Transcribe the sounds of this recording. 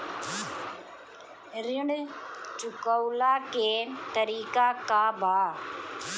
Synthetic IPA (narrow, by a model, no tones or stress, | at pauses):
ɾiɳt͡ʃʊkɐwlaːkeːnt̪ɐɾiːkaːkaːbaː